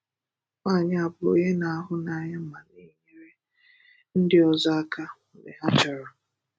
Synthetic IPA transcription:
ŋa˦˨ɲa˦a˨bʊ˨o̰˨ɲe˦na˨a˦ɦʊ˦na˦ɲa˦m̩˦ma˨ni˦ɲe˦ɾe˦ | n̩˦dɪ˦ɔ˨zɔ˦a˦ka˦˨nḛ˨ɦa˦t͡ʃa˨ɾɔ˨

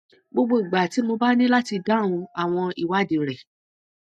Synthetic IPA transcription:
ɡ͡bo˧ɡ͡bo˦i˨ɡ͡ba˨ti˨˦mo˧ba˦nĩ˦la˦ti˧dã˦˨ũ˧a˨w̃ɔ̃˧i˨wa˨˦˨de˧˦ɾɛ˨

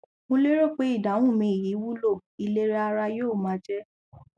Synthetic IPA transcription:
mõ˦le˦ɾo˦˨k͡pe˨˦i˦˨da˨˦w̃ũ˦˨mĩ˧i˨ji˨˦wu˦lo˦˨i˧le˦ɾɛ˦a˧ɾa˧joː˦˨mã˨˦d͡ʒɛ˦

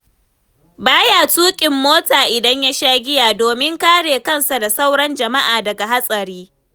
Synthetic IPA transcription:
baː˦jaː˨tuː˦kʲʼɪ˨mːoː˦taː˨ʔɪ˨dɐ˦ɲja˦ʃaː˦ɡʲɪ˦jaː˨doː˨mɪ˦ŋkaː˦ɽeː˨kɐ˦˨nsa˨da˨sa˦wɽɐ˦nd͡ʒɐ˨ma˦ʔaː˨dɐ˨ɡa˨ɦa˦sʼɐ˨ɾiː˦

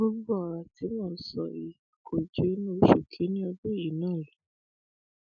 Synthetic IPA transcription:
u˦ɡ͡bɔ˦˨ɾa˨ti˨˦mɔ̃ː˦˨˦sɔ̰˨i˨kʰo˨d͡ʒe˨˦nũ˦o˦ʃo˨kʰi˨˦nĩ˦ɔ˧bo˦˨i˨˦nãː˦˨lu˨˦

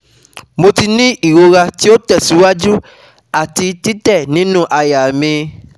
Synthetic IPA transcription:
mo˧ti˧nĩ˦ʔi˦˨ɾo˧ɾa˧ti˦o˦tɛ˦˨si˨˦wa˦d͡ʒu˦ | a˦˨ti˧ti˦tɛ˦˨nĩ˨˦nũ˦ʔa˧ja˨mĩ˧

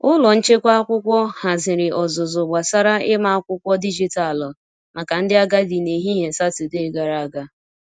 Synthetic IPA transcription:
ʊ˦lɔ˨n̩˦t͡ʃe˦kʷa˦a˦kʷʊ˦kʷɔ˦ha˨zɪ˨ɾɪ˨ʔɔ˨zʊ˨zʊ˨ɡ͡ba˨sa˦ɾa˦ʔɪ˦ma˦a˦kʷʊ˦kʷɔ˦di˦d͡ʒi˨ta˨lɔ˨ | ma˨ka˨n̩˦dɪ˦a˦ɡa˦di˨ne˨ɦi˦ɦe˨sa˦tu˨de˦ɡa˨ɾa˦a˦ɡa˦

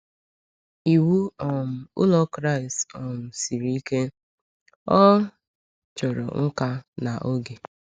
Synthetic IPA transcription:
i˨wu˦ɔ˨m̩˨ʊ̰˦lɔ˦kɾa˦˨i˨stɔ˨m̩˨si˨ɾi˦ke˦ | ɔ˦ | t͡ʃɔ˨ɾɔ̰˨ŋ̩˦ka˦na˨ʔo˦ɡe˨

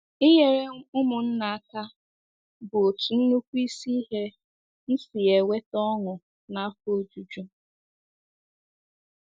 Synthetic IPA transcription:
ɪ˦je˦ɾe˦ʊ˦mʊ˨n̩˦na˨a˦˨ka˦ | bʊ˨o˨tu˨n̩˦nu˦kʷu˦i˦si˦ɦe˦ | n̩˦si˨e˨we˦tɔ˦ŋʊ˨ | na˦a˦fo˦d͡ʒu˨d͡ʒu˦

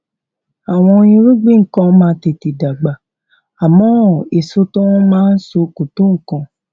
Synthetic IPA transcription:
a˨w̃ɔ̃˧ĩ˧ɾu˦ɡ͡bĩ˦ŋ̩˨kã˧mãː˦te˨ti˨da˨ɡ͡ba˨ | a˨mɔ̃˨˦˨e˨so˧tɔ̃˦mãː˦n̩˦so˧ko˨to˦ŋ̩˨kã˧˨

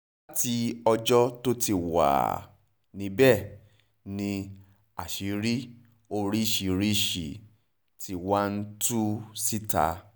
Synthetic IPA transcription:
la˦ti˧ɔ˧d͡ʒɔ˦to˦ti˧˨wa̰˨ | nĩ˨˧˦bɛ˦˨ | nĩ˧ | a̰˨ʃi˨˦ɾi˦ | o˧ɾi˦˨ʃi˨ɾi˦˨ʃi˨ | tʰi˨wa˦n̩˦tu˦si˦ta̰˨˦

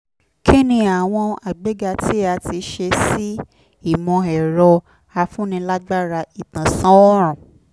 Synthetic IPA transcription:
kʰe˦nĩ˧˦a˨w̃ɔ̃˧a˨ɡ͡be˨˦ɡa˧tʰi˦a˧ti˧ʃe˧si˦ | i˦˨mɔ̃˧ɛ˨ɾɔ˧ | a˧fũ˦nĩ˧la˦ɡ͡ba˦ɾa˧i˨tã˨sã˦ɔ˦ɾ̃ɔ̃˨

